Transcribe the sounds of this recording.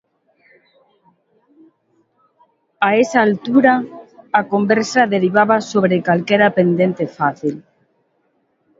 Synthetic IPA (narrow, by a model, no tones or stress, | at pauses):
aesaːlt̪uɾaːkombeɾsaðeɾiβ̞aβasoβ̞ɾekalkeɾapend̪ent̪efaθil